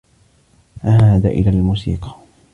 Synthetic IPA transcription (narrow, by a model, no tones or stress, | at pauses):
ʔahaːd̪a̰ʔɪ̰laːlmuːsḭːqɑ̥